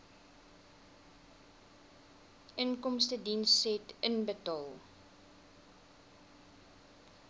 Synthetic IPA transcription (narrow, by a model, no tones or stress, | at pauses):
ʔənkɔmstədinsːɛtənbətɑːlˠ